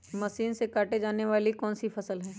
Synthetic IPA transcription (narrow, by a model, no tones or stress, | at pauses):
mɐʃiːnsekaːʈed͡ʒaːneʋaːlikɔːnsifʰɐsəlɦɛ̃ː